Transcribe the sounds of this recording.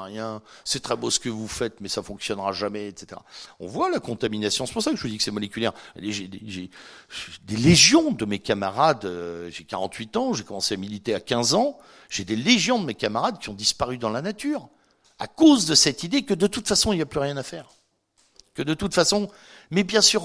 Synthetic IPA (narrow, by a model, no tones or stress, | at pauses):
ʁjɛ̃sɛt̪χɛbosə̥kəvufɛt̪mɛsafɔ̃ksjɔnʁaʒamɛɛt̪se̥t̪eʁa̰ɔ̰̃vwalakɔ̃t̪aminasjɔ̃sɛ̥puʁsakəʒəvud̪ikə̥sɛmɔlekʲyljɛ̰ʁa̰leʒed̪eʒeʒd̪eleʒjɔ̃d̪əmekamaʁad̪øʒeka̰ʁɑ̃t̪ʰɥit̪ɑ̃ʒekɔmɑ̃seamilit̪eakʲɛ̃zɑ̃ | ʒ̥ed̪eleʒjɔ̃d̪əmekamaʁad̪kʲiɔ̃d̪ispaʁyd̪ɑ̃lanat̪yːʁ | akozd̪əsɛt̪id̪ekəd̪ət̪ut̪fasɔ̃iljaplyʁjɛ̃nafɛːʁ | kəd̪ət̪ut̪fasɔ̃ | mɛbjɛ̃syːʁ